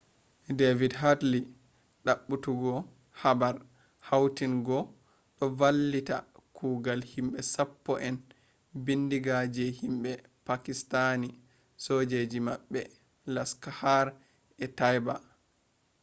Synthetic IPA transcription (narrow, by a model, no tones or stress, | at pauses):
devidɦatli | ɗaɓːutuɡɔ | habaɾ | hawtinɡɔ | ɗɔvalːita̰kʰuːɡalhimɓɛsapːɔʔɛn | bindiɡad͡ʒɛhimɓɛ | pakistani | sod͡ʒed͡ʒimaɓːɛ | laskahaɾ | ɛtajba